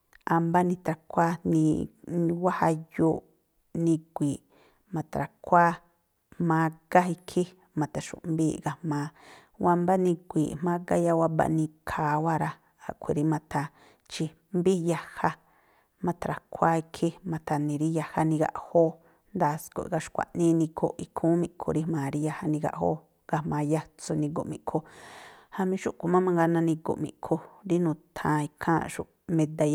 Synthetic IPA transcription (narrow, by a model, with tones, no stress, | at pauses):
a˧mba˦nĩ˧t̪ɾa˧kʷa˦nĩ˧wa˦ha˧juː˦ | nĩ˧kʷiː˨ʔ | mã˧t̪a˨ɾa˨kʰʷa˦ | mã˧˦ɡa˦ɦi˧kʰi˦ | mã˨t̪a˨ʃṵ̃˨ʔmbiː˦ɡa˧mãː˨˦ | wa˧mba˦nĩ˧kʷḭː˨ʔmã˦ɡa˦ja˦wa˦ba̰˧nĩ˧kʰaː˨wa˦ɾa˧ | a˨kʰʷe˨ɾi˧mã˧t̪a˧ | t͡ʃi˧ | mbi˦ja˧ha˦ | mã˧t̪ɾa˨kʰʷa˦i˧kʰi˦mã˧t̪a˧nĩ˨ɾi˦ja˧ha˧nĩ˧ɡa̰˧ʔho˦ | nd̪aː˨sko̰˨ʔɡa˧ʃkʷa̰˨ʔnĩ˦nĩ˧kʰo̰˧˨ʔʔi˧kʰũː˦mĩ˧ʔkʰo̰˨˧ɾi˦mãː˨ɾi˧ja˧ha˧nĩ˧ɡa̰˧ʔho̰ː˦ | ŋɡa˧hmã˧ja˧t͡so˧nĩ˧ɡo̰˨ʔmĩ˨kʰo˧ha˧mĩ˧ʃu˦ʔko˨mã˦mã˧ŋɡa˧nã˧nĩ˧ɡo̰˨mḭ̃˨ʔkʰo˧ɾi˦nũː˨˧t̪ʰã˧i˧kʰã˦ʃṵ˧ | mẽ˧d̪a˧j